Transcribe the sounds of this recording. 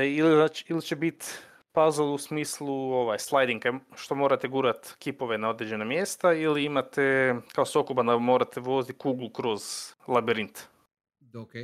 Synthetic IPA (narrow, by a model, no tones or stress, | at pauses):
iliznaːt͡ʃi̥ilit͡ʃebit̪ | pazolˠusmiːslˠuo̞ʋajslˠajd̪iŋkaʃt̪o̞mo̞ɾat̪eɡuːɾat̪kipo̞ʋenao̞d̪ɾed͡ʒe̞namje̞st̪ailiimat̪ekaosokobad̪amo̞ɾat̪eʋo̞zit̪kuːɡlˠukɾo̞zlˠabiɾint̪ | oke